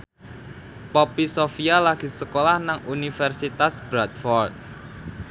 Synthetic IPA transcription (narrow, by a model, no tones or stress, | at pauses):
pɔpisofialaɡ̥i̤səkolahnaŋunifɛrsit̪asbɾat̪̚fɔrt̪̚